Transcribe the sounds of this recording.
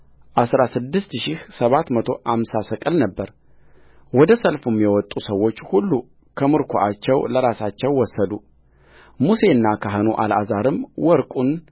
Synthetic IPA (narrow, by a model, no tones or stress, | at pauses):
ʔasɾasɨd̪ːɨst̪ʃɪhsəβat̪mət̪ʰo̞hamsasəkʼɨlnəbːəɾ | wɔd̪əsəlfumjɛwɔt̪ʼːusəwːo̞t͡ʃːhulːu | kʰəmɨɾkʰoʔat͡ʃːɛwləɾasat͡ʃːɛwːɔsːəd̪u | muse̞ɨnːakʰaɦɨnuʔa̰la̰zaɾɨmwɔɾkʼun